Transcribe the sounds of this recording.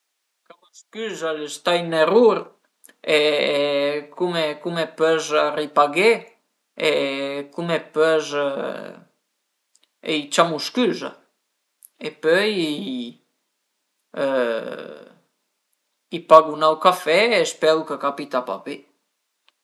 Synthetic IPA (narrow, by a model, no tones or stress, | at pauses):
kaməskyzaləst̪ajneruɾ | e | kumekumepøzaripaɡe | ekumɛpœz | ḛjt͡ʃamuskyza̰ | epœji | ipaɡunawkafɛespɛwkəkapit̪apa̰pe